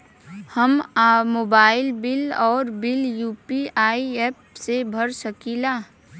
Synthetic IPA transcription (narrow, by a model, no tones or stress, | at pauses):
həmmoːbaːɪlbɪlɔːɾbɪljuːpiaːieːp̚sebʱəɾsəkilaː